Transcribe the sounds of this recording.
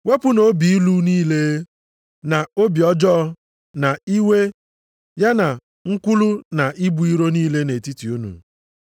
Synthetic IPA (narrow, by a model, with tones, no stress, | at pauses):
we˦pʊ˦no˨˦bi˨i˦lu˦niː˦le˦ | na˨o˦bi˨ɔ˦d͡ʒɔ˦ | na˨i˦we˦ | ja˦na˨ | ŋ̩˦kʷu˦lu˦na˨ʔi˦bu˨˦i˦ɾo˦niː˦le˦ne˨ti˦ti˨u˦nṵ˨